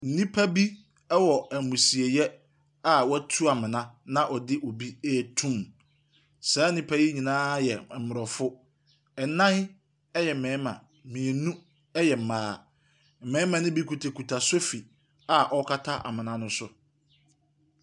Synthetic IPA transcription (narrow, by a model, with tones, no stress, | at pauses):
n̩˨nĩ˦pʰa˦bi˦ | ɛ˦wɔ˨æ˨mũ˨si˨e˨jɛ˦ | a˨wɔ˦tʰu˦a˨mɪ̃˨nã˦nã˨ʔɔ˨dɪ˦ʔo˨bi˦ɛ˦˨tʰũ˦m | saː˨˦n̩˦nĩ˦pʰa˦ji˦ɲĩ˨nãː˦jɛ˨m̩˨mʊ˨ɾɔ˨fʊ˦ | ɛ˨nã˦hɪ˦ | ɛ˦jɛ˨m̩˨mɛ̃ː˨˦mã̰˨ | mĩ˨e˨nũ˦ | ɛ˦jɛ˨m̩˨maː˨˦˨ | m̩˨mɛ̃˨˦mã˨nɪ̃˦bi˦kʰu˨tʰa˨kʰu˨tʰa˨so˦fi˨ | a˨ʔɔ˦kʰa˦tʰa˦ʔa̰˨mɪ̃˨nã˦nʊ̃˦sʊ˦